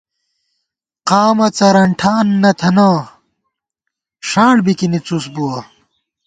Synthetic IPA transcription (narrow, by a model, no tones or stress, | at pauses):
qaːmɐt͡sɐɾɐɳʈʰaːnːɐt̪ʰɐnaː | ʂaːɳbikinit͡susbuwɐ